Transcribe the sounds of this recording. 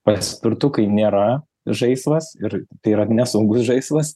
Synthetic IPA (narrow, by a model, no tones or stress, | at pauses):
pɐsʲpʲɪɾt̪ʊkɐɪnʲeːɾɐ | ʒɐɪsʋɐsɪɾt̪ɐɪiɾɐnʲɛsʊŋɡʊsʒɐɪsʋɐs